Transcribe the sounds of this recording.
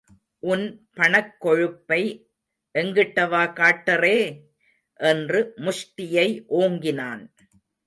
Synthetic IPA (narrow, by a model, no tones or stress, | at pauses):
ʔʊnpɐɳɐkːɔɻɯpːɐɪ | ʔɛŋɡɪʈːɐʋaːkaːʈːɐreː | ʔɛndrɯmʊʂʈɪjɐɪʔoːŋɡɪnaːn